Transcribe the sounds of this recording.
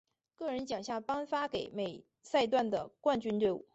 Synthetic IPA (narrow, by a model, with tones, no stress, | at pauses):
kɤ˥˩ɻə˧˥nt͡ɕjɑ˨˩ŋɕja˥˩pɑ˥ŋfa˥ke˨˩˦ɪme˨˩ɪ | sa˥˧ɪt̪wa˥˩nd̪ə˩kwa˥˩nt͡ɕy˥nt̪we˥˩˧ɪṵ˥˩